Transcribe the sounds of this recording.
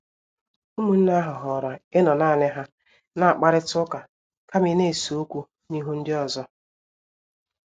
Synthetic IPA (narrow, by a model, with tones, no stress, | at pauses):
u˦mu˨n̩˦na˦ɦʊ˨ɦɔ˨ɾɔ˨ɪ˦nɔ˨naː˦˨nɪ˦ɦa˦ | na˨a˨k͡pa˦ɾɪ˦tʊ˦ka˨ | ka˦mɪ˦ne˦˨so˦kʷu˦ | ni˦ɦu˦n̩˦dɪ˦ɔ˨zɔ˦